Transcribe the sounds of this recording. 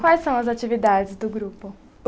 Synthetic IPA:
kwajsːɐ̃w̃ɐzat͡ʃivid̪ad͡ʒɪzd̪ʊɡɾupʊ

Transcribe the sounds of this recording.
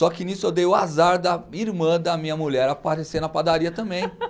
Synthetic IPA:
sɔkɪnisʊewd̪ejʊazaɾd̪ɐiɾmɐ̃d̪ɐmĩɲɐmuʎɛɾapaɾesenɐpad̪aɾiɐt̪ɐ̃mbẽj̃

